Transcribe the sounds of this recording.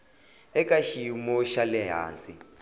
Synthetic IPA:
ɛkʼaʃimɔʃalɛɦa̰ːnt͡sʼi

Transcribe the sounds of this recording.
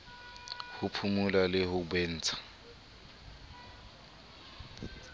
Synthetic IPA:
hʊpʰumulalɪhʊbwen̩ːt͡sʰʼḁ

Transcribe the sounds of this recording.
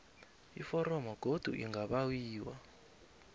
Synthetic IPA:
ifɔɾɔmɔɡ̥ʱod̥ʱṵʔḭŋɡaɓawiːwa̰

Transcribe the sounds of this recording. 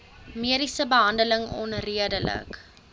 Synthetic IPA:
miəɾisəbəɦɐndələŋɔ̰nriədələ̰k

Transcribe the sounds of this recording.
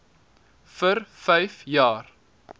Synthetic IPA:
fərfɛjfjɑːr

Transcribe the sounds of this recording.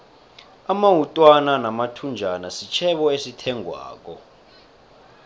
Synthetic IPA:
amaɦutʼwananamatʰund͡ʒʱanasit͡ʃʰɛɓɔesitʰɛŋwa̰ːk̬ʼɔ

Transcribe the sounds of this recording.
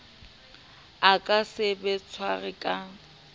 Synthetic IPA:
akʼasɪbɪt͡sʰwaɣɪkʼa

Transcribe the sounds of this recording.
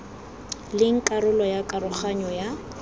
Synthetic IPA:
lɪŋ̩kʼaɾʊlɔjakʼarʊχaɲɔja

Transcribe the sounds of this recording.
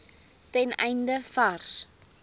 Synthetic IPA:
tɛnɛjndəfars

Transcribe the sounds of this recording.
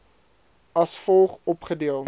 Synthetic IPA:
ɐsfɔlˠχɔpχədiəlˠ

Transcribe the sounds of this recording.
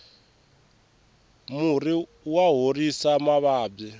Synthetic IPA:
muri | waɦorisamaβaːb͡ʐi

